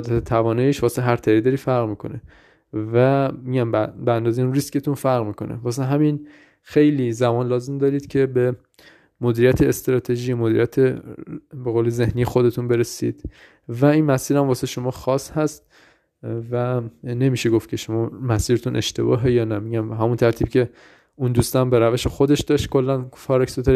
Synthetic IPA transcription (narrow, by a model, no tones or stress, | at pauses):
d̪æt̪ʰet̪ʰævɒːnɒjiʃvɒːseeɦæɾt̪ʰæɾid̪ɒːɾiːfæɾʁmiːkʰo̞̰ne | væmiɟæmbeænd̪ɒːzeinrisce̞t̪unfæɾʁmiːkʰo̞nḛvɒːs̬eɦæmin | xejliːzæmɒːnlɒːze̞md̪ɒːɾiːd̪̥cʰe̞be | mod̪iːɾijæt̪ʰeːst̪ɾɒːt̪ʰeʒiːjmod̪iɾijæt̪ʰe | beɣoːleze̞hnijexo̞d̪e̞t̪ʰunbe̞ɾesḭːd̪̥ | væinmæsiːɾæmvɒːseʃo̞mɒːxɒːshæst̪ | væne̞miːʃeɡoft̪cʲʰe̞ʃo̞mɒːmæsiːɾet̪ʰunʔe̞̰ʃt̪e̞̰bɒ̰ːɦe̞jɒːnæmiɟæmɦæmunt̪ʰæɾt̪ʰiːb̥cʰe̞ | und̪ust̪ɒmbe̞ɾæveʃexo̞d̪e̞ʃd̪ɒːʃt̪̚kʰo̞lːænfɒːɾeksut̪eɾ